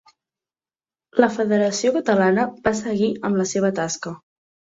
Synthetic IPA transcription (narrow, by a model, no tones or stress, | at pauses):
ləfəðəɾəsiokət̪əlanəbasəɣiəmləseβ̞ət̪askə